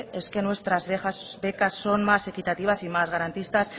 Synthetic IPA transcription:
e̞ske̞nwe̞st̪ɾazβeasbe̞kasːo̞nmase̞kit̪at̪iβ̞asimazɣaɾant̪ist̪as

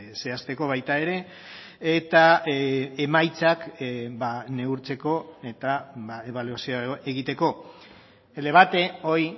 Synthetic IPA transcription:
se̞ast̪e̞ko̞β̞ajt̪ae̞ɾe̞ | et̪a | emajt͡sakbane̞uɾt͡se̞ko̞e̞t̪abaeβaluasioe̞ɣit̪e̞ko̞ | ele̞β̞at̪e̞o̞j

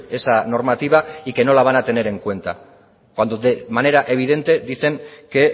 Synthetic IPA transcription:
e̞sano̞ɾmat̪iβ̞aike̞no̞laβ̞anat̪e̞ne̞ɾe̞ŋkwe̞nt̪a | kwand̪o̞ðemane̞ɾaʔe̞β̞iðe̞nt̪e̞d̪iθe̞ŋke̞

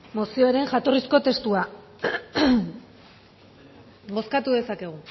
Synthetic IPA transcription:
mo̞sio̞eɾe̞ŋʝat̪o̞risko̞t̪e̞st̪ua | bo̞skat̪uðe̞sake̞ɣ̞u

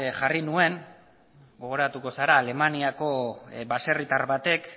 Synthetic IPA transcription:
ʝarinue̞ŋ | ɡo̞ɣ̞o̞ɾat̪uko̞saɾaːle̞maniako̞base̞rit̪aɾβat̪e̞k

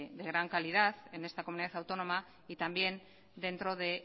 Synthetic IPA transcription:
ðe̞ɣɾaŋkalið̞aθe̞ne̞st̪akomuniðaθawt̪o̞no̞ma | it̪ambje̞n | d̪e̞nt̪ɾo̞ðe̞

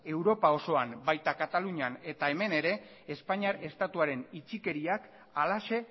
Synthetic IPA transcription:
e̞wɾo̞pao̞so̞ambajt̪akat̪aluɲiane̞t̪ae̞me̞ne̞ɾe̞ː | spaɲiaɾe̞st̪at̪uaɾe̞nit͡ʃike̞ɾiak | alaʃe̞

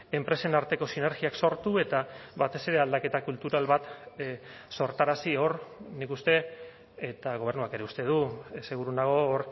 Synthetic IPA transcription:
e̞mpɾe̞se̞naɾt̪e̞ko̞sine̞ɾɣiakso̞ɾt̪ue̞t̪aβat̪e̞se̞ɾe̞ald̪ake̞t̪akult̪uɾalβat̪ | so̞ɾt̪aɾasio̞ɾnikust̪e̞ː | t̪aɣ̞o̞βe̞ɾnuake̞ɾe̞ust̪e̞ð̞use̞ɣ̞uɾunaɣ̞o̞ːɾ

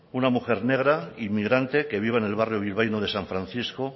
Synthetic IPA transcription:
unamuxe̞ɾne̞ɣ̞ɾaimːiɣɾant̪e̞ke̞β̞iβ̞aenelβarjoβ̞ilβ̞ajnoð̞e̞saɱfɾanθisko

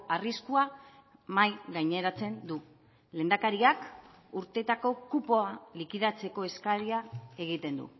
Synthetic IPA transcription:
ariskua | majɣajɲe̞ɾat͡se̞nd̪u | le̞ːnd̪akaɾiak | uɾt̪e̞t̪ako̞kupo̞alikiðat͡se̞ko̞e̞skaɾiae̞ɣ̞it̪e̞nd̪ṵ

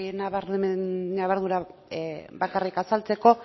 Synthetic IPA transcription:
naβaɾennaβaɾðuɾa | bakarikasalt͡se̞ko̞

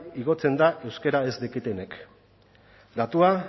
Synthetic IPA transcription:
iɣ̞o̞t͡se̞nd̪aʔe̞wske̞ɾae̞zd̪ekit̪ene̞k | d̪at̪ua

